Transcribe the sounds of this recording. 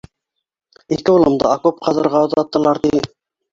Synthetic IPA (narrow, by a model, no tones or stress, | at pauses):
ikɘulˠɤ̆md̪ɤ̰ɑkup̚qʰɑðɤ̆ɾʁɑoðɑt̪ːɤ̆lˠɑɾt̪i